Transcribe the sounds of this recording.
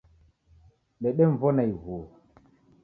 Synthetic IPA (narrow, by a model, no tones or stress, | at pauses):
ɗɛɗɛɱvɔnajɦo